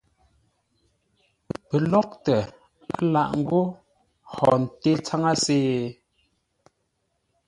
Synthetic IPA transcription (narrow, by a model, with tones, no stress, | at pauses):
pə˨lɔ˦k̚tə˨ | a˦la̰˦˨ʔŋ̩˦ɡo˦ | hɔ˨n̩˨te˦t͡sa˦ŋa˦seː˦